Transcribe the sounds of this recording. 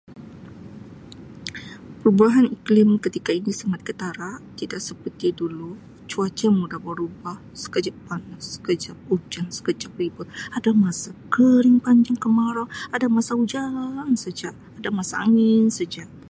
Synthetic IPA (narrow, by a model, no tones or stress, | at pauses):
pəɾubuaɦaniklɪmkət̪ikainisaŋat̪̚kət̪aɾaʔt̪idaʔsəpət̪idulu | t͡ʃuat͡ʃəmudabəɾubah | sə̥kəd͡ʒapanasə̥kəd͡ʒap̚ud͡ʒaŋsə̥kəd͡ʒap̚ɾibʊt̪̚adamasakəɾɪŋpaɲd͡ʒaŋkəmaɾaadamasaud͡ʒaŋsəd͡ʒaʔ | adamasaa̰ŋɪnsəd͡ʒaʔ